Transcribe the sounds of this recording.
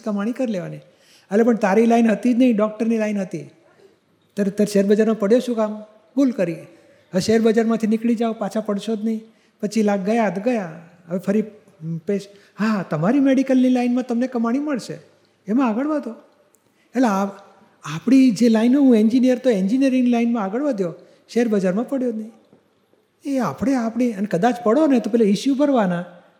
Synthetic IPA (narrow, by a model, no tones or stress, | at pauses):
kəmaɽ̃ikəɾileʋani | əlepəɳt̪aɾilainɦət̪id͡ʒnəɦĩɖɔk̚ʈəɾnilaijnɦət̪i | t̪əɾet̪əɾʃeɾbəd͡ʒaɾmãpəɽjoʃũkam | bulkəɾi | əeʃeɾbəd͡ʒaɾmãt̪ʰinɪkɭid͡ʒaũpat͡ʃʰapəɽʃod͡ʒnəɦĩ | pət͡ʃʰilaɡ̚ɡəjad̪ɡəjaɦəʋepʰəɾi | peʃ | ɦat̪əmaɾimeɽikəlːilainmãt̪əmnekəmaɽ̃iməɭʃḛ | emãaɡəɭʋad̪o | elea | apɽ̃id͡ʒelainoɦũeɲd͡ʒinijəɾt̪oeɲd͡ʒinijəɾɪ̃ŋɡlainmãaɡəɭʋəd̪ʱjo | ʃeɾbəd͡ʒaɾmãpəɽjod̪nəĩ | eapɽeapɽ̃iənekəd̪at͡ʃpəɽonet̪opɛɦlaiʃjubʱəɾʋana